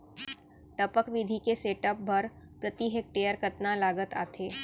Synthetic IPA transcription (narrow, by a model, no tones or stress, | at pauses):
ʈəpəkʋid̪ʱikeseːʈəp̚bʱɐɾ | pɾət̪iɦek̚ʈeːjəɾkɐt̪nalaːɡət̪a̰ːt̪ʰeː